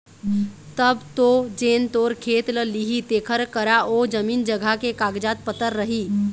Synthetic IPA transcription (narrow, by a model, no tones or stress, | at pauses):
t̪əbt̪od͡ʒeːnt̪oːɾkʰeːt̪ləliɦit̪eːkʰəɾkəɾaʔoːd͡ʒəmiːnd͡ʒəɡʱakekaːɡd͡ʒaːt̪̚pət̪əɾːəɦiː